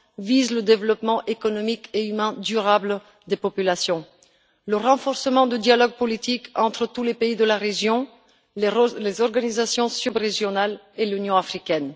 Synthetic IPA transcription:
vizləd̪evlɔpmɑ̃ʔekɔnɔmikeymɛ̃d̪yʁabl | d̪epɔpylasjɔ̃ | ləʁɑ̃fɔʁsəmɑ̃d̪əd̪jalɔɡ̚pɔlit̪ikʰɑ̃t̪χət̪ulepeid̪əlaʁeʒjɔ̃ | lezɔʁɡanizasjɔ̃sybʁeʒjɔnal | elynjɔ̃afχikɛn

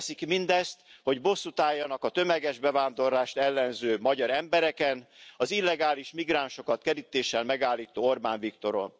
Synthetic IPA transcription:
sikmind̪ɛst̪ho̞ɟbo̞sːut̪aːjːɒnɒkɒt̪ø̞mɛɡɛʒbɛvaːnd̪o̞rlaːʃt̪ɛlːɛnzøːmɒɟɒɾɛmbɛɾɛkɛnɒzilːɛɡaːliʃmiɡɾaːnʃo̞kɒt̪kɛɾit̪eːʃɛlmɛɡaːlːiːt̪oːo̞rbaːɱvikt̪o̞ɾo̞̰n

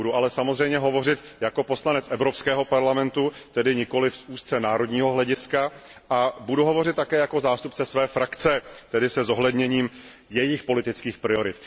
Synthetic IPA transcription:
uduʔalɛsamozr̝ɛjmɲɛɦo̞vo̞rɪt̪jako̞po̞slanɛt͡sʔɛvɾo̞pskɛːɦo̞paɾlamɛnt̪ut̪ɛdɪɲɪko̞lɪfsuːst̪t͡sɛnaːɾo̞dɲiːɦo̞ɦlɛɟɪskaʔabuduɦovo̞r̝ɪt̪t̪ːakɛːjako̞zaːst̪upt͡sɛsvɛːfɾakt͡sɛt̪ɛdɪsɛzo̞ɦlɛdɲɛɲiːm | jɛjɪxpo̞lɪt̪ɪt͡skiːxpɾɪo̞ɾɪt̪

